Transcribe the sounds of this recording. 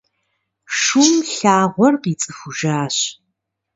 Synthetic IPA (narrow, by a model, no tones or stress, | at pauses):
ʂumɬaːʁʷɔrqiːt͡sʼɨxuʒaːɕ